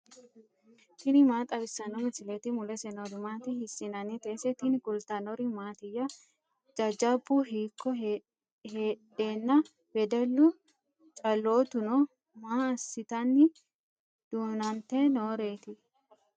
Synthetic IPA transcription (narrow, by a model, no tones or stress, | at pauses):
t̪ɪnɪmaːt̪ʼɐbɪsːɐnɔmɪsɪlɛt̪ɪmʊlɛsɛnɔɾɪmaːt̪ɪhɪsːɪnɐnɛt̪eːsɛt̪ɪnɪɡʊlt̪ɐnɔɾɪmaːt̪ɪjɐ | d͡ʒɐd͡ʒɐbːʊɦiːkʰːɔ | heːᶑeːnːɐ | b̥ɛd̪ɛlːʊ | t͡ʃʼɐlːoːt̪ʊnɔ | maːɐsːɪt̪ɐnːɪ | d̪̥uːnɐnt̪eːnoːɾe̞ːt̪ɪ